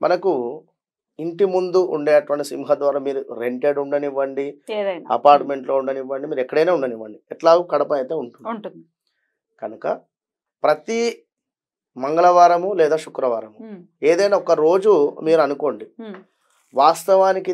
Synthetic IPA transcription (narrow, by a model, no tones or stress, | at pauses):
mʔɐ̰nɐku | iɳʈimund̪uʔṵɳɖeːɐʈʋɐɳʈisḭmɦɐd̪ʋaːɾaːmiːɾuɾeɳʈeːɖuɳɖɐniʋːɐɳɖidɐjɐ̰paːɾʈme̞ɳʈlo̞ːuɳɖɐniʋːɐɳɖimiːɾuɛkːɐɽɐjneuɳɖɐniʋːɐɳɖiɛʈlaːɡukɐɽɐpɐɐt̪e̞ːuɳʈunɳun | kɐnukɐ | pɾɐt̪i | mɐŋɡɐɭɐʋaːɾɐmulɛːd̪aːʃukɾɐʋaːɾɐmu | eːd̪ɐjnaːɔkɐɾo̞ːd͡ʒumiːɾuɐnuko̞ːɳɖi | ʋaːst̪ɐʋaːniki